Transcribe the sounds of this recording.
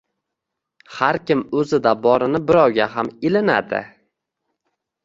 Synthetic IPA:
haɾkʲɪmɵzɪd̪abɒɾɪnɪbɪɾɒwɡʲaɦamɪlɪna̰d̪ɪ̰

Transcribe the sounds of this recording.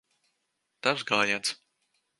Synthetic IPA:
t̪awzɡaːjat̪s

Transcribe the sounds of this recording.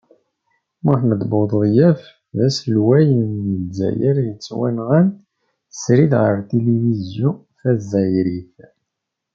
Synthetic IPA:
mʊθnəd̪boðˤðjæf | ðæslwæjənməzːæ̰jæɾjət͡sːwænʁən | sɾiðʁəɾt̪elivizjɔ̃ | fæzæjɾiθ

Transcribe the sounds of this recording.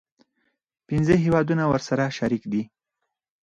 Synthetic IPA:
pɪnzəɦewɑd̪unawəɾsaɾaʃaɾikd̪i

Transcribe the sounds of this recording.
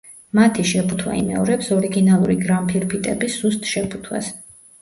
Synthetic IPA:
mat̪ʰiʃɛpʰut̪ʰwa̰ḭmɛɔɾɛpsɔɾiɡinalˠuɾiɡɾampʰiɾpʰit̪ʼɛbisːust̪ʰʼʃɛpʰu̥t̪ʰwa̰s

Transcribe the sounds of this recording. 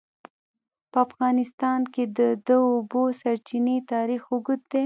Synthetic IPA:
pəafɣɑnɪst̪ɑnked̪əd̪əːbosaɾt͡ʃinet̪ɑɾixʊɡʊd̪̚d̪e

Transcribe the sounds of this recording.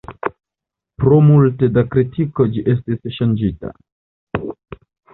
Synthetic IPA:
pɾomulte̞dakɾitʰiko̞d͡ʒiʔe̞stisʃand͡ʒita̰

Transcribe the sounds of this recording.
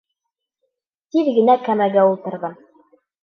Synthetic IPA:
t̪iðɡɘ̆nækæmæɡæulˠt̪ɤ̆ɾðɤm

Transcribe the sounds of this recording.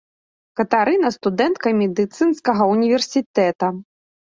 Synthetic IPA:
kɐt̪aɾɨnɐst̪ud̪ɛnt̪̚kɐmʲɛd̪ɨt̪sɨnskɐɣɐunʲivʲɛrsʲit̪ɛt̪ɐ

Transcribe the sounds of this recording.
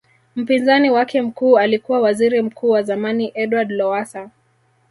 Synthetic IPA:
m̩pinzaniwakɛm̩kuːalikuwawaziɾim̩kʰuːwazamaniʔɛdwadlɔwasa

